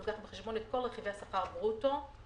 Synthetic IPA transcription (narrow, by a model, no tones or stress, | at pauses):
ɡaχbeχeʃbo̞net̪̚ko̞lʁeχivejasaχaʁbʁuto